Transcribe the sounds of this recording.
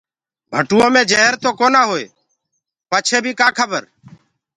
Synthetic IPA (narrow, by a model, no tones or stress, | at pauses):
bʱəʈuõːmẽːd͡ʒeɦəɾt̪oːkoːnaːɦoːḛː | pəːt͡ʃʰeːbʱiːkaːkʰəbəɾ